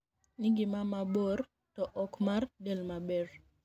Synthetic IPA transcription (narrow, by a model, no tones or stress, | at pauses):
nɪɡɪmamabor | tɔʔɔkmardɛlmabɛr